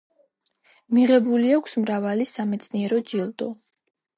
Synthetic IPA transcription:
miʁɛbuliakʷʰsmɾavalisamɛt̪sʰʼniɛɾɔd͡ʒilˠd̪ɔ

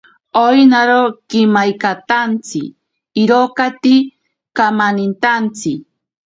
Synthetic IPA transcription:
ojnaɾokɪmajkat̪ant͡sɪ̰ː | ɾokat̪i | kamanint̪ant͡sɪ

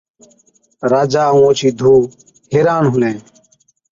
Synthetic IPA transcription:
ɾaːd͡ʒaːũõːt͡ʃʰiːd̪ʱuː | ɦeːɾaːnɦʊlẽː

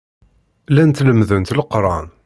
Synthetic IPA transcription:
lænt̪ləmðənt̪ləqɾˤɑn

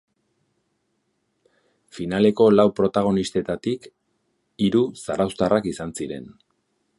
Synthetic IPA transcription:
finale̞ko̞lawpɾo̞t̪aɣ̞o̞nist̪e̞t̪at̪ik | iɾusaɾawst̪arakisansiɾe̞̰n

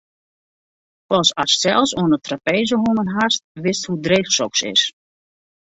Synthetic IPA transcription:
fɔlˠsassɛlˠsoənətrapejzəɦumənɦast̚ʋɪsthudreːxsɔksɪ̰s

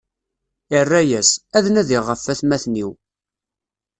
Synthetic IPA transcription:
ərːæjæsæðnæðiʁəfːæθmæθniw

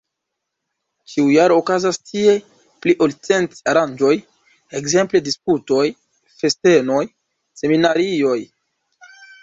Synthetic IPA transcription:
t͡ʃiujaɾoːkazastʰie | pliʔolt͡se̞ntaɾand͡ʒo̞j | e̞kze̞mple̞disputo̞j | fe̞ste̞no̞j | se̞minaɾio̞j

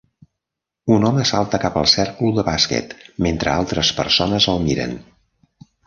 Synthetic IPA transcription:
unɔməsalˠt̪əkapəlˠsɛrkluðəβaskɛ̰t̪ment̪ɾəalˠt̪ɾəspə̰rsonəzəlˠmiɾə̰n

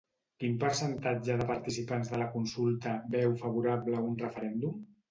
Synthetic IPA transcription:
kimpəɾsənt̪ad͡ʒəðəpəɾt̪isipanzðələkunsulˠt̪əbɛwfəβ̞uɾaβləunrəfəɾɛnd̪um

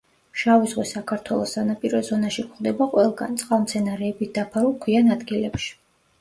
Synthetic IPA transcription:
ʃavizʁwisakʰaɾt̪ʰwɛlˠɔsːanapʼiɾɔzɔnaʃikʰχd̪ɛbaqʼwɛlˠɡa̰nt̪sʼqʼavmt̪sʰɛnaɾɛːbit̪̚ʰd̪̥apʰaɾulˠkʰwianad̪ɡilɛpʃi̥

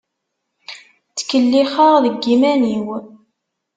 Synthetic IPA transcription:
t͡sːə̥kəlːiχəʁðəɡːimæniw

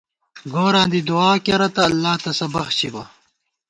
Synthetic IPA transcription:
ɡoːɾãːnd̪id̪uaːkeɾɐt̪ɐːlːaːt̪ɐsɐbɐxt͡ɕʰibɐ

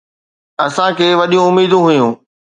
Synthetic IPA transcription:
ɐsãkʰeːʋɐɗijũʊmiːd̪ũɦʊjũː

